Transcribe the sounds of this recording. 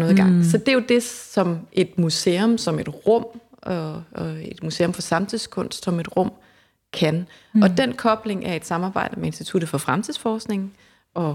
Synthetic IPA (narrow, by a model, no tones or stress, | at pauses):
nɔ̽ːðˠiɡ̥ɑ̈ŋ̰sɒ̽d̥e̝jo̝d̥e̝sɒ̽mʔe̝d̥museːɔmsɒ̽me̝d̥ʁɔ̽m̰ | e̝d̥musḛːo̽mfɒ̽sɑ̈mt͡sʰiðˠskʰɔ̽n̰sd̥sɒ̽me̝d̥ʁɔ̽m̰ | kʰæn | ɒ̽d̥en̰kʰɒ̽b̥le̝ŋʔæɐe̝d̥sɑ̈mɑːb̥ɑ̈ɪ̰d̥əmee̝nsd̥it͡sʰuɾ̥ð̩ˠfɒ̽fʁamt͡sʰið̰ˠsfɒːsɡ̥ne̝ŋn̩ | ɒ̽